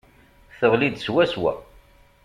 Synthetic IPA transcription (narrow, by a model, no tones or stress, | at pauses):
θəʁlid̪swæswæ̰